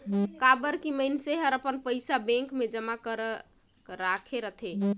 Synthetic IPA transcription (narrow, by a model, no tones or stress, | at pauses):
kabəɾkiməjnseɦəɾəpənpəjsabẽŋkmed͡ʒəmakəɾə | ɾakʰeɾət̪ʰe